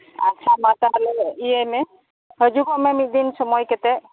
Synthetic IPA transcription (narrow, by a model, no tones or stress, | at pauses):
a̰tːʃʰamat̪alɛijemɛ | ɦəd͡ʒukɔʔmɛmit̪̚d̪insɔmɔjkɛt̪ɛ